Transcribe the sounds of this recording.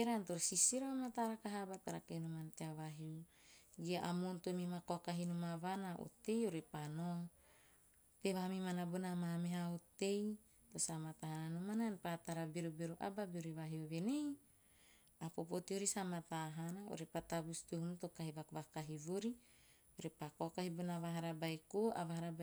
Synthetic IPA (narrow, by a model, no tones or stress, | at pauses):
eɾant̪oɾsisiɾaamat̪aɾakaɦabat̪aɾakenumant̪eaβaɦiuɡiaʔamont̪omimakoakaɦinumaβanaʔo̰t̪ejoɾepanoŋ | t̪eβamimanabonamameɦaot̪ei | t̪osamat̪aɦananumananpat̪aɾabeɾubeɾuʔa̰babeoɾiβaɦioβenei | apopot̪ioɾisamat̪aɦanao̰ɾepat̪abust̪uɦunut̪okaɦiβakβakaɦiβoɾi | oɾepakokahibonaβaɦaɾabajkoa̰βaɦaɾab